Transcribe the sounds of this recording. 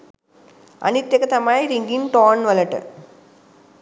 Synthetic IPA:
ɐ̰nit̪jɐkɐt̪ɐmaːjɾiŋɡinʈoːnʋɐlɐʈɨ̰

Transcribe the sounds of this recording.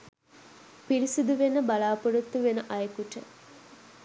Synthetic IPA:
piɾisud̪uʋenəbɐlaːpuɖut̪ːuʋenəʔɐjekuʈə

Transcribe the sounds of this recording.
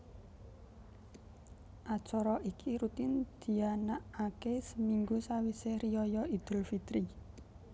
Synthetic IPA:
ʔat͡ʃɔɾɔʔikʰiɾut̪ɪnd̪̥i̤anaʔakesəmiŋɡusawiserijɔjɔid̪̥ə̤lfit̪ɾi

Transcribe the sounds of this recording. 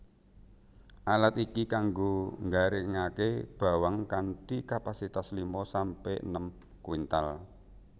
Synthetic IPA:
ʔalat̪ikikaŋɡoŋɡaɾeŋakeb̥a̤waŋkanʈikapasit̪aslimɔsampeʔnəm | kwint̪al

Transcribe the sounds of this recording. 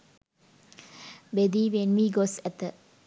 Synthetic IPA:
bed̪iʋenmiɡosɛt̪ːə

